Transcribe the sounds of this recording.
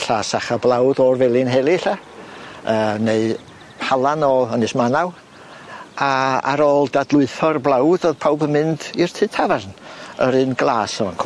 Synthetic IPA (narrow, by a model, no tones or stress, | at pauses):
ɬaːsaχablˠawdɔːrvɛlˠɪnɦɛlˠiɬa | əːneɨ | halˠanɔənɨsmanaw | aa̰ɾoːlˠdadlˠʊɨθɔrblˠawdoðpʰawbənmɨndir̥tʰɨtʰavarnə̰ɾɨnɡlˠaːsɔnkʰ